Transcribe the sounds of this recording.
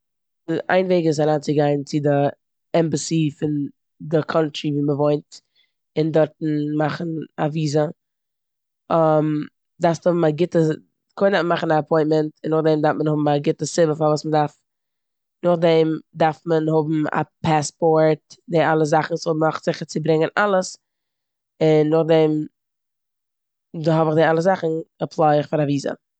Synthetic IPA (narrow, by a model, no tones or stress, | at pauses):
a̰ɪnveːɡɪz̬aɾaːnt͡sɪɡaɪnt͡sɪdɪ | ɛmbəsifɪn | dɪkʰɔntɾiviːməvoɪnt | ɪndɔɾtn̩maχn̩aviːzə | am | daɾfthʊbm̩aɡɪtə | kʰɔɪndafnmaχn̩aːpʰɔɪntmɛntɪnːʊχdɛmdaɾftmənhʊbm̩aɡɪtəsɪbəfavuːsmədaɾf | nʊχdɛmdaɾfmənhʊbm̩a̰pʰaspɔɾt̚dɪalˠəzaχn̩sʊbmaχtz̥ɪχəɾt͡sɪbɾɪŋənalˠəs | ɪnːʊχdɛm | doɦɔbɪχdɪalˠəzaχn̩apʰlˠaɪɪχfaɾaviːzə̰